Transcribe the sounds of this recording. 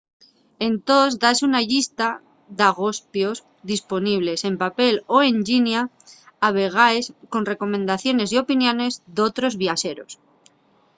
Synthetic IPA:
e̞nt̪o̞zd̪asunaʎist̪a | ðaɣ̞o̞spjo̞z | ðispo̞niβ̞le̞se̞mpape̞lo̞e̞nʎinjaː | β̞e̞ɣ̞aesko̞nre̞ko̞mẽnd̪aθjo̞ne̞sjo̞pinjõ̞ne̞zd̪o̞t̪ɾo̞zβjase̞ɾo̞̰s

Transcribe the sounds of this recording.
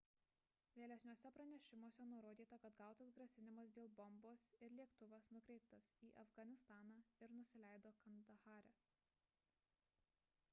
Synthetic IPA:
ʋʲeːlʲɛsʲnʲoːsʲɛpɾɐnʲɛʃʲɪmoːsʲɛnʊɾoːd̪ʲiːt̪ɐkɐt̪ɡɑˑʊt̪ɐsɡɾɐsʲɪnʲɪmɐs̬d̪ʲeːlˠbɔmboːsɪɾlʲiɛkt̪ʊʋɐsnʊkɾʲɛɪp̚t̪ɐsiːʔɐfɡɐnʲɪst̪ɑːnɑːɪɾnʊsʲɪlʲæˑɪd̪oːkɐnd̪ɐxɑːɾʲɛ

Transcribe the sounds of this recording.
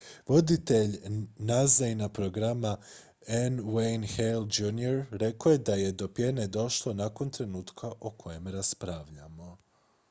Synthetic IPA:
ʋo̞d̪it̪e̞ʎnazajnapɾo̞ɡɾama | enwejnxeld͡ʒunioɾɾe̞koje̞d̪aje̞d̪o̞pje̞ned̪o̞ʃlˠo̞nako̞nt̪ɾe̞nuːt̪kʰaʔokʰo̞je̞mɾaspɾaʋʎamo̞

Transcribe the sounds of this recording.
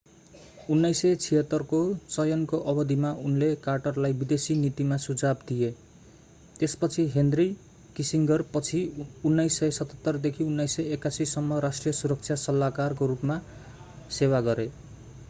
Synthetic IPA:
unːʌjsʌt͡sʰiɦʌt̪ːʌrkot͡sʌjʌnkoʔʌbʌd̪imaunlekarʈʌrlajbid̪esinit̪imasud͡zabd̪ije | t̪espʌt͡sʰiɦend̪ri | kisiŋɡʌrpʌt͡sʰiunːʌjsːʌjsʌt̪ʌt̪ːʌrd̪ekʰiunːʌjsːʌjekasisʌmːʌɾasʈrijʌsuɾʌk̚t͡sʰjasʌlːakarkoɾupma | sewaɡʌɾe

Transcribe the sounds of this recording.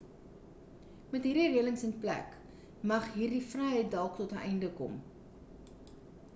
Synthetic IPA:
mɛtɦiːrdiriələŋsənplæ̰k | mɐχɦiːrdifrɛjɦəjt̚dælˠktɔtəʔɛjndəkɔ̰m

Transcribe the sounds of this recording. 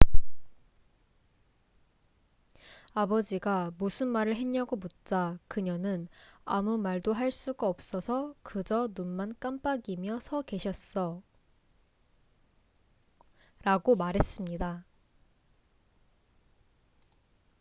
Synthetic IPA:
abʌd͡ʑiɡamusʰɯnmaɾɯɭɦeɲːʌɡomut̚t͡ɕ͈akɯɲʌnɯna̰mumaɭdoɦaɭs͈uɡaʌp̚s͈ʌsʰʌkɯd͡ʑʌnunmank͈amp͈aɡimjʌsʰʌke̞ɕʰʌs͈ʌ | ɾaɡomaɾɦe̞s͈ɯmɲida

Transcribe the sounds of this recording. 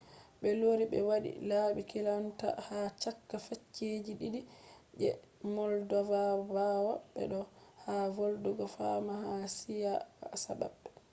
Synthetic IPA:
ɓɛloːɾiɓɛ̰waɗḭlaːɓikilanta̰hat͡ʃakːafet͡ʃːed͡ʒiɗiɗid͡ʒɛ̰ | mɔldɔvabawaɓɛ̰ɗɔhavolduɡɔfamahasijasaba̰bːɛ

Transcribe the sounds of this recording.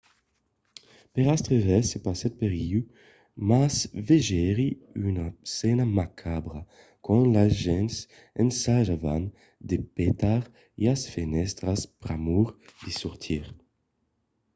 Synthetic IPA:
peʁast̪ʁevɛsepasɛt̪̚peʁiu | masveʒɛʁiynasɛnamakʰabʁa | kɔ̃nlasʒɛns | ḛnsaʒavan | d̪epet̪aʁ | easfenɛst̪ʁaspɾamuʁdisuʁt̪ʰiʁ

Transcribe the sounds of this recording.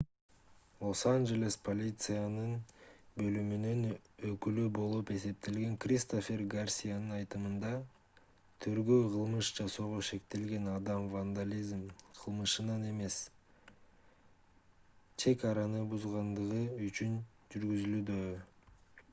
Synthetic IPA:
lˠo̞sanʒe̞lʲespʰo̞lʲit̪sɨjanɯnbø̞lymynynø̞kylybo̞lˠupe̞se̞p̚t̪e̞lɡe̞ŋkrʲist̪ofʲe̞rɡarsʲijanɯnɑjt̪ɯmɯnd̪ɑ | t̪ʰyɾɡøːqʰɯlˠmɯʃd͡ʒɑso̞ːʁo̞ʃe̞k̚t̪e̞lɡe̞nɑd̪ɑmvand̪alʲizmqʰɯlˠmɯʃɯnɑne̞me̞s | t͡ʃʰe̞kɑɾɑnɯbuzʁɑnd̪ɯʁɯyt͡ʃyn | d͡ʒyɾɡyzylyd̪ø

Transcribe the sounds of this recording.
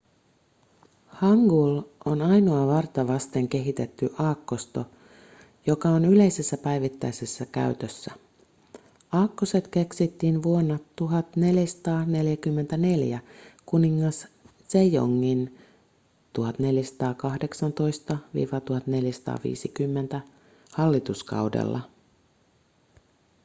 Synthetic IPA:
hɑŋɡulonɑjnoɑʋɑrt̪ɑʋɑst̪e̞ŋk̟e̞ɦit̪e̞t̪ːyʔɑːkːo̞st̪o̞ | jo̞kɑonyle̞jse̞sːæpæjʋit̪ːæ̰jse̞sːækæ̰yɥt̪øsːæ | ɑːkːoset̪ke̞ksit̪ːiːnʋuonːɑt̪uɦɑt̪ne̞ljæsɑ̥t̪ɑːne̞ljækymːe̞nt̪æne̞ljækuniŋːɑs | sejo̰ŋːin | t̪uɦɑt̪ne̞ljæsɑ̥t̪ɑːkɑhde̞ksɑnt̪o̞jst̪ɑʋḭːʋɑt̪uhɑt̪ne̞ljæsɑ̥t̪ɑ̰ːʋḭːsikymːe̞nt̪æ | hɑlːit̪uskɑ̰wdḛlːɑ̰

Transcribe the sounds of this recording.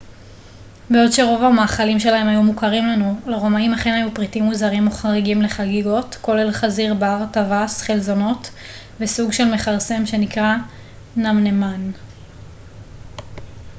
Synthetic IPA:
beo̞dʃe̞ʁo̞vamaːχalimʃe̞lahe̞majumukaʁimlanuleʁo̞maimhaχe̞najupʁitimuzaʁimoχaʁeɡimle̞χaɡiɡo̞tko̞lelχaziʁbaʁtavasχelzo̞no̞t | vesuɡʃe̞lme̞χaʁse̞mʃe̞nikʁa | namne̞man

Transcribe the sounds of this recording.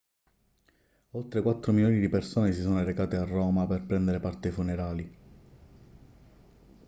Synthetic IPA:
olt̪ɾekwat̪ːɾomiloːnid̪ipersoːnesisoːnoɾekaːt̪earːɔːmaperpɾɛnd̪eɾepart̪efuneɾaːli

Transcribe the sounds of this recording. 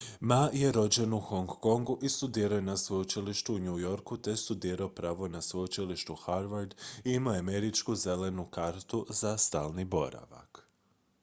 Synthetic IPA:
maje̞ɾo̞d͡ʑe̞nuxoŋɡːo̞ŋɡuʔist̪ud̪iːɾajenasʋojut͡ʃiliʃt̪uuɲujo̞ɾkut̪e̞st̪ud̪iːɾaopɾaːʋo̞nasʋojut͡ʃiliʃt̪uxaɾʋaɾd̪iimaeameɾit͡ʃkuze̞le̞nukaɾt̪uzast̪aːlˠnibo̞̰ɾa̰ʋa̰k

